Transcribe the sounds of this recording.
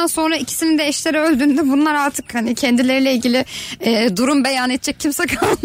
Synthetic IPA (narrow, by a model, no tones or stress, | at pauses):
anso̞nɾaicʰi̥sinind̪ɛɛʃlʲeɾɛø̞lʲd̪yːnd̪ɛbunlˠaɾaɾt̪ʰɯkhanicʰɛnd̪ilʲeɾilʲɛilʲɟilʲɪɛːd̪uɾumbe̞jaːnet̪̚t͡ʃʰːɛc̚ʰːimsɛkʰalˠ